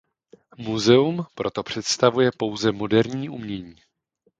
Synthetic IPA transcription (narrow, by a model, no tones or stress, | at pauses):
muzɛumpɾo̞t̪o̞pr̝̥ɛt̪st̪avujɛpo̞wzɛmo̞dɛɾɲiːʔumɲɛɲiː